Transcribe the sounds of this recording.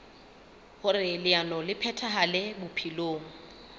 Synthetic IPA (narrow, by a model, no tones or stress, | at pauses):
hʊrɪlɪanɔlɪpʰɛtʰaɦalɛbʊpʰiloːŋ̩